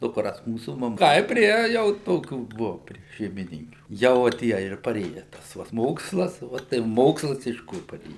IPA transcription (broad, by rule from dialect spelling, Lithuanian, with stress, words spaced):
dʊkˈrɐs ˈmuːsuː mɐˈmɐ ˈtɐɪp ˈpʲrʲiɛ jɛʊ ˈtoːkʲuː ˈbuɔ pʲrʲiɛ ʃʲɛɪmʲɪˈnʲɪŋʲkʲuː ˈjɛʊ ʋɐ ˈtʲiɛ ɪr pɐˈrʲeːjɛ ˈtɐs ʋɐ s ˈmoːkslˠɐs ˈʋɐ tɐɪ ˈmoːkslˠɐs ɪʃ ˈkʊr pɐˈrʲeːjɛ